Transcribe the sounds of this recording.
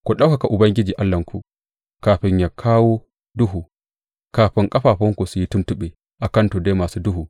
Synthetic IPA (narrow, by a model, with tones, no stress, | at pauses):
kɔ˨ɗa˦wka˨ka˨ʔʊ˨bɐ˦ŋɡʲɪ˦d͡ʒi˨ʔa˦lːɐ˨ŋkʰṵ˨ | kaː˨ɸɪ˨ɲja˨kʰaː˦wo˦ | du˦ɦu˨ | kaː˨ɸɪ˦ŋkʼɐ˦ɸaː˨ɸɔ˦ŋku˨su˨ji˦tʊ˦ntu˦ɓe˨ | ʔa˨kɐ˦ntɔ˨da˦maː˨su˦du˦ɦu˨